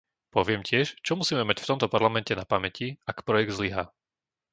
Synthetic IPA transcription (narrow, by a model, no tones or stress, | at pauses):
pɔʋɪɛmcɪɛʃt͡ʃɔmusiːmɛmacft̪ɔmt̪ɔpaɾlamɛncɛnapamɛciakpɾɔjɛɡd̪zliɦaː